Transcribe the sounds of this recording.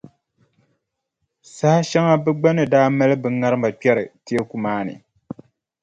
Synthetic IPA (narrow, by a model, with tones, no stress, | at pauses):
sa˦ha˦ʃɛ˦ŋa˦bɨ˦ɡ͡ba˦nɨ˨daː˦ma˦lɨ˦bɨ˨˦ŋa˦ɾɨ˦mba˨pi˦ɛ˦ɾɨ˨ti˦e˦ku˨maː˦nɨ̰˨